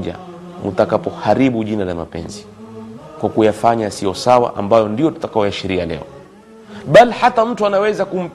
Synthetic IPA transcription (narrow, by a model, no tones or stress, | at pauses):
ʄa̰ | mṵtakapɔhaɾiɓuʄinalama̰pɛ̰nzi | kwakujafaɲasiɔsawa̰ʔa̰mbajɔndijɔtu̥takaɔjaʃiɾialɛ̰ɔ | ɓalihatam̩tuanawɛzakum̩